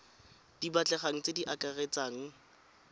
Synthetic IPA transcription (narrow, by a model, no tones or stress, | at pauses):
d̥ibat͡ɬʼɛχaŋ̩t͡sediʔakaret͡saːŋ̩